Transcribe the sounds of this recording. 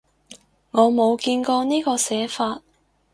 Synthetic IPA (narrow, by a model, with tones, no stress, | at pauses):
ŋɔː˨˧mo˨˧wkiː˧nkɔː˧niː˥kɔː˧sɛː˨˥faː˧t̚